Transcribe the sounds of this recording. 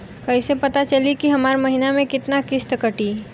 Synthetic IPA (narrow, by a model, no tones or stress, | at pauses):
kɐisepɐt̪at͡ʃɐlikiɦɐmaːɾmɐɦinamẽkɪt̪nakɪst̪kəʈi